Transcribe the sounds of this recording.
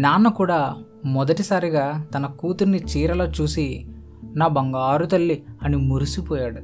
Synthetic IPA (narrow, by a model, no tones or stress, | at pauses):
naːnːɐkuːɽaː | mɔd̪ɐʈisaːɾiɡaːt̪ɐnɐkuːt̪uɾnːit͡ʃiːɾɐloːt͡ʃuːsi | naːbɐŋɡaːɾut̪ɐlːiɐnimuɾusipɔːjaːɽu